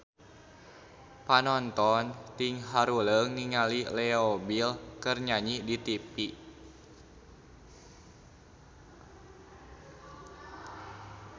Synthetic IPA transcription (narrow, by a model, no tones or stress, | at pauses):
panɔnt̪ɔnt̪iŋɦaɾuləŋniŋalilɛobilkərɲaɲidit̪ipi